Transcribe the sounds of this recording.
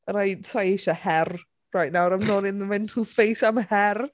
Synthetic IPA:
əɾajsʰajeʃəhɛr | rajʔnawɾãɪmnɔnɪ̃nðəmɛ̃ntʰəl̩ˠspejsaməhɛr

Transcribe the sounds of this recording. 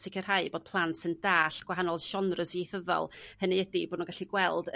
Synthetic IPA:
sɪkʰər̥haɨboːd̥̚pʰlˠantsɨndaːɬɡ̥waɦanɔlˠʃɔnrəsieθəðɔ̰lˠhənɨɛdiboːdnuɡaɬiɡwɛlˠd

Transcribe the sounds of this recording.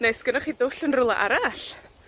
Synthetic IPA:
nejsɡ̥ənɔχidʊɬənrʊlˠa̰ʔa̰ɾaɬ

